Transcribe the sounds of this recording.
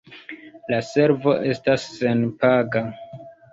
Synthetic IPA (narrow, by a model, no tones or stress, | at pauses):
lase̞ɾvo̞̰ʔe̞stasːe̞npaɡa